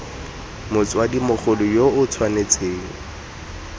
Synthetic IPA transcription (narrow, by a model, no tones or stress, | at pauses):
mʊt͡swadimʊχʰʊlʊjoʊt͡sʰwanet͡sʰeːŋ̩